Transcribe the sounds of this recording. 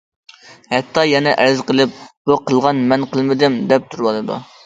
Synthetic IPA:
hɛt̪ʰːɑjɛnɛʔæɾzqəlˠɨp̚b̥uqʰəlˠʁɑnmɛnqəlˠmɪd̪ɪmd̪ɛp̚t̪ʰuɾwɑlˠɨd̪ṵ

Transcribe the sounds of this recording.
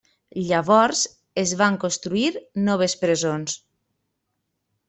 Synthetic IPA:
ʎaβɔɾz | ezβaŋkonst̪ɾuiɾnɔβ̞espɾezons

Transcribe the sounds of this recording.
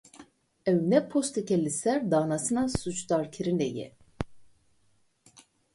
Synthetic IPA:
ɛwnɛpʰost̪ʰɛkʲɛlʲːisæɾd̪aːnasɯnasut͡ʃd̪aɾkʰiɾinɛjɛ̰

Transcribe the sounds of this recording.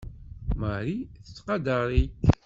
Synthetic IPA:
məɾiθət͡sːqɑd̪əɾˤit̪

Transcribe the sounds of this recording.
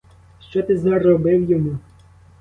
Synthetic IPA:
ʃt͡ʃɔt̪ɪzɐrɔbɪwjɔmu

